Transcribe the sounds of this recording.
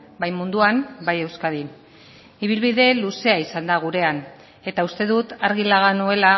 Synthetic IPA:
bajmund̪uambaje̞wskaðin | iβ̞ilβiðe̞luse̞aisand̪aɣ̞uɾe̞an | e̞t̪aust̪e̞ðut̪aɾɣilaɣanue̞la

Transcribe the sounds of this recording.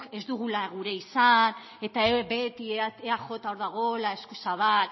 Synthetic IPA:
ke̞zd̪uɣ̞ulaɣuɾe̞isan | e̞t̪aebe̞t̪ieaʝo̞t̪aoɾðaɣ̞o̞lae̞skusaβ̞al

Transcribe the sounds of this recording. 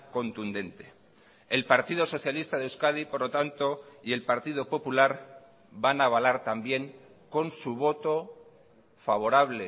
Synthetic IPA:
ko̞nt̪und̪e̞nt̪e̞ | elpaɾt̪iðo̞so̞θjalist̪aðewskaðipoɾlo̞t̪ant̪o̞ie̞lpaɾt̪iðo̞po̞pulaɾ | banaβalaɾt̪ambje̞ŋ | ko̞nsuβ̞o̞t̪o̞ | faβ̞o̞ɾaβ̞le

